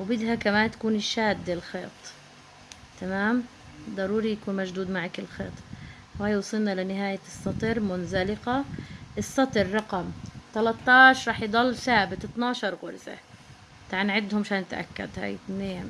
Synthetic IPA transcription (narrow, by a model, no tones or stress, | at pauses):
wbɪd̪ɦakamaːnt̪ḁkuːnɪʃːaːd̪ːɪlxeːt̪ˤ | t̪amaːm | d̪ˤɑɾuːɾijakuːnmaʒd̪uːd̪maʕakɪlxeːt̪ˤ | whaːjwsˤilnaʔlanɪɦaːjasˤːɑt̪ˤɨɾmʊnzalɪqaʔɪsˤːɑt̪ˤɨɾːˤɑqɑmt̪alɑt̪ˤːɑːʕʃɾˤɑːħjd̪ˤɑlːθaːbɪt̪ɪt̪nɑːʃɑɾˤɣʊɾza̰ | t̪aʕanʕɪd̪hʊmʃaːnɪt̪ʔa̰kːa̰d̪ha̰ːjɪneː